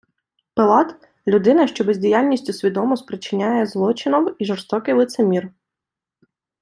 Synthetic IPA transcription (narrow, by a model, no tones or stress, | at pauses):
pelˠɑt̪ | lʲʊd̪ɪnɐʃt͡ʃɔbezʲdʲijalʲnʲisʲtʲʊsʲʋʲid̪ɔmɔsʲpɾɪt͡ʃɪnʲajɛzlˠɔt͡ʃɪnɔwiʒɔrst̪ɔkɪjlˠɪt̪semʲir